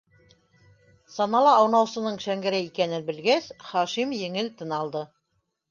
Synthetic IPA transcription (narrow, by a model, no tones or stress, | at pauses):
sɑnɑlˠɑːwnɑwsɤ̆nɤɴʃæŋɡæ̆ɾæikænɘnbɘ̆lɡæsχɑʃimjɘ̆ŋɘlt̪ɤ̆nɑlˠd̪ɤ